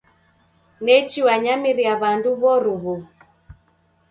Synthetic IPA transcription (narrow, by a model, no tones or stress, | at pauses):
nɛt͡ʃiwaɲamiɾiaβanduβɔɾuβu